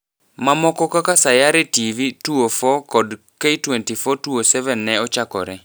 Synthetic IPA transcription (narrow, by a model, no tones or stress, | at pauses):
mamɔkɔkakasajaɾetivituofɔkɔd | keitwɛntifɔtuosɛvɛnːɛɔt͡ʃakɔ̰ɾɛ